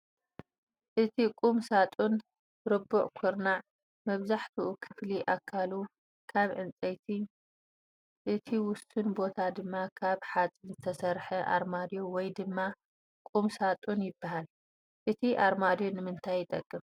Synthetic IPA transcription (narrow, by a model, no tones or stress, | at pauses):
ʔɨt̪ʰikʼumsat̪ʼun | ɾɨbuʔkʰʊɾnaʕ | mɐβzaħt̪ʰuʔukʰɨfliʔakʰːalu | kʰaβʕɨnt͡sʼejt̪ʰi | ʔɨt̪ʰiwʊst̪ʰunbo̞t̪ʰad̪ɨmːakʰaβħat͡sʼinzɨt̪ʰɐsɐɾħɐʔa̰ɾmad̪jowɔjd̪ɨmːa | kʼumsat̪ʼunjɪbːahal | ʔɨt̪ʰiʔaɾmad̪jonɨmɨnt̪ʰajːɪt̪ʼɐ̰kʼːɨf